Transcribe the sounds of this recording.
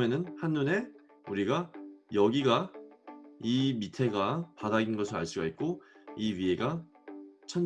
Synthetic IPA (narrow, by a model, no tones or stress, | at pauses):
me̞nɯnhanːune̞ | uɾiɡajʌɡiɡa | imitʰe̞ɡapadaɡinɡʌsʰɯɭa̰ɭs͈uɡaɦik̚k͈oiɥie̞ɡa | t͡ɕʰʌn